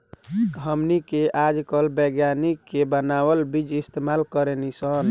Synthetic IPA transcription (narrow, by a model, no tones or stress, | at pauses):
ɦəmnikeʔad͡ʒkəlbəɡjanikːebənawəlbid͡ʒist̪emalkəɾenisən